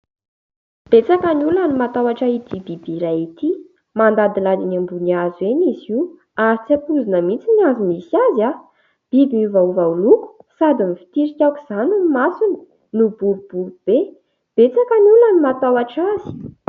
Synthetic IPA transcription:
b̥et͡sakanulanimat̪awaʈ͡ʂait̪ibibiɾajit̪i | mand̪ad̪ilad̪inambuniazueɲizi | aɾit͡sapuzinəmit͡siniazimisiaza | b̥ibiivauvauluku̥sad̪imifi̥t̪iɾikʲaki̥z̥anunmasuni̥ | nub̥uɾub̥uɾub̥e | b̥et͡sakaniulanimat̪awaʈ͡ʂazi̥

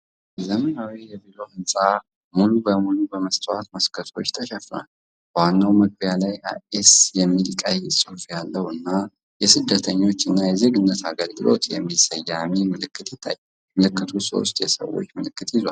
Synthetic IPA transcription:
zəmənawijɛvilo̞ʔɨnsʼa | mulubəmulubəməst̪ʰʼəwat̪məskʰət̪ʰo̞̰t͡ʃːt̪ʰəʃɛfna̰l | wanːawməɡ̚bjalaja̰esjɛmːilkʼajɛsʼɨhfjalːəhɨnːa | jɛsɨd̪ːət̪ʰəɲːo̞t͡ʃːɨnːajɛze̞ɡɨnːət̪ʰaɡəlɡɨlo̰t̪jɛ̰mːisəjːamimɨlɨkːɨt̪jɪt̪ʰːa̰jː | məlɨkːɨt̪ʰuso̞̰s̬t̪jɛsə̰wːo̞̰t͡ʃːmɨlɨkːɨt̪jɪzwa̰l

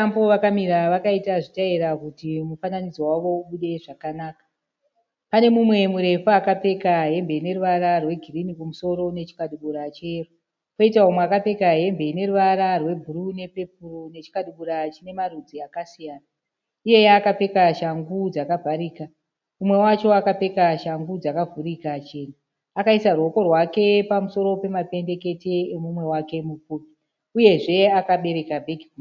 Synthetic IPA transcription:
ambo̞ʋakamiɾaʋakaitaʐitaiɾakutimufananid͡zowaʋo̞uɓuɗe̞ʐakanaːkḁ | pane̞mumwe̞muɾe̞fuakap͡fe̞kaɦe̞mbe̞ine̞ruʋaɾarwe̞ɡʱirinikumuso̞ɾo̞ne̞t͡ʃi̥kaɗuɓuɾat͡ʃeru | koitaumweakape̞kaɦe̞mbe̞ine̞ɾuʋaɾarwe̞bʱurune̞pe̞p̚urone̞t͡ʃi̥kaɗuɓuɾat͡ʃine̞marud͡ziakasijaːna | ije̞jaːkape̞kaʃaŋɡud͡zakavʱaɾiːka | umwe̞wat͡ʃo̞akape̞kaʃaŋɡud͡zakavuɾikat͡ʃeːna | akaisaruo̞ko̞rwake̞pamuso̞ɾo̞pe̞mape̞nde̞ke̞teemumwe̞wake̞mupupi | uje̞ʐe̞akaɓe̞ɾe̞kabʱe̞kiu

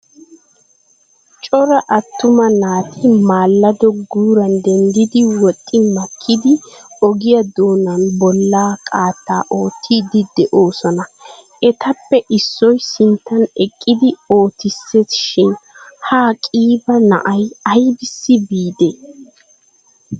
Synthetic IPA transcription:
t͡ʃʼɔɾɐʔɐt̪ːʊmɐnaːt̪ʰɪmaːlːɐd̪ɔɡuːɾɐnd̪ɛnd̪ɪd̪ɪwɔt̪ʼːɪmɐkʰːɪd̪ɪɔɡɪjɐd̪o̞ːnɐnbɔlːaːkʼaːt̪ːa̰ːʔo̞ːt̪ʰːiːd̪ɪd̪ɛʔo̞ːsɔnɐ | ɛt̪ɐpːɛʔɪsːɔjsɪnt̪ːɐnɛkʼːɪd̪ɪo̞ːt̪ɪsːesʃɪnhaːkʼiːbɐnɐ̰ʔɐjɐjbɪsːɪbiːd̪e

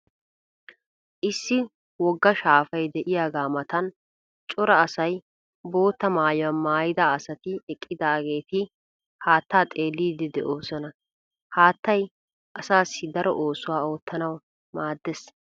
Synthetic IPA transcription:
ʔɪsːɪ | wɔɡːɐʃaːfɐjd̪ɛʔɪjaːɡaːmɐt̪ɐn | t͡ʃʼɔɾɐːsɐj | bo̞ːt̪ːɐmaːjʊwɐmaːjɪd̪aːsɐt̪ɪɛkʼːɪd̪aːɡe̞ːt̪ɪ | haːt̪ːaːt̪ʼe̞ːlːiːd̪ɪd̪ɛʔo̞ːsɔnɐ | haːt̪ːɐj | ʔɐsaːsːɪd̪ɐɾɔ̰ʔo̞ːsʊwaːo̞ːt̪ːɐnɐw | maːd̪ːɛs

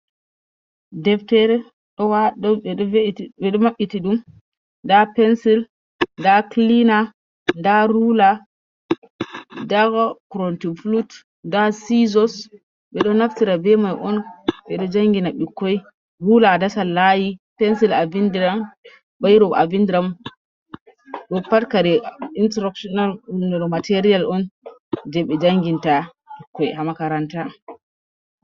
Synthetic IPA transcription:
dɛftɛɾɛ | ɗɔwaɗɔ | ɛɗɔmaɓːitiɗum | ndapɛnsil | ndaklina | ndaɾula | daɡɔkɾɔntiflut | ndasizɔs | ɓɛɗɔnaftiɾabɛmajʔɔnɓɛɗɔd͡ʒaŋɡinaɓikːɔj | hulaːdasalːajipɛnsilavindiɾam | ɓajɾɔbavindiɾam | ɗɔpːatkaɾɛintɾɔkʃɔnalunɛɾmateɾijalɔnd͡ʒɛɓɛd͡ʒaŋɡinta | ɓikːɔjhamakaɾanta

